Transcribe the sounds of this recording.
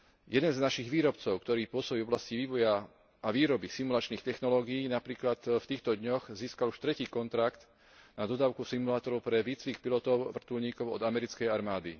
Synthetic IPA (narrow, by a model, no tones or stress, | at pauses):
jɛd̪ɛnznaʃiɣʋiːɾɔpt͡sɔʊkt̪ɔɾiːpʊɔsɔbiːvɔblasciʋiːʋɔja | aʋiːɾɔbisimulat͡ʃniːxt̪ɛxnɔlɔːɡiːnapɾiːklat̪ft̪iːxt̪ɔd̪ɲɔɣziːskaluʃt̪ɾɛciːkɔnt̪ɾakt̪ | nad̪ɔd̪aːʊkusimulaːt̪ɔɾɔʊpɾɛʋiːt͡sʋiːxpilɔt̪ɔʊʋr̩t̪ulɲiːkɔʊɔ̰d̪amɛɾit͡skɛjaɾmaːd̪i